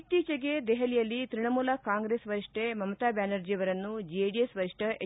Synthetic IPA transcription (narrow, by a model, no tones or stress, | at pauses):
t̪iːt͡ʃɐɡed̪ɛɦɐlijɐlːit̪ɾiɳɐmuːlɐkaːŋɡɾeːsʋɐɾiʂʈemɐmɐt̪aːbjaːnɐɾd͡ʒijɐʋɐɾɐnːud͡ʒieɖijesʋɐɾiʂʈʰɐʔe